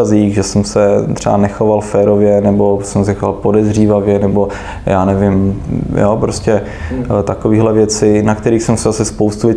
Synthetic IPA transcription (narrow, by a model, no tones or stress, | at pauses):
aziːɣʒɛsɛmsɛt̪r̝̥ɛa̰nɛxovalfɛːɾovjɛnɛbo̞sɛmsɛxovalpodɛzriːvavjɛnɛbo̞ | jaːnɛvɪmjopɾoscɛ | t̪akoviːɦlɛvjɛt͡sɪnakt̪ɛɾiːxsɛmsɛzasɪspowst̪uvjɛ